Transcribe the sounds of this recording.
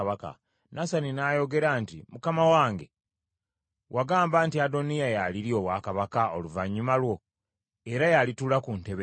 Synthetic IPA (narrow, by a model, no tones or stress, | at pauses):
βaka̰ | nasaninajo̞ɡe̞ɾaːntimukamawaːŋɡe | wʔaɡaːmbaːntiado̞nijajaliɾio̞βwaːkaβakao̞luvaɲːumalwo̞ | e̞ɾajalitulakunte̞βe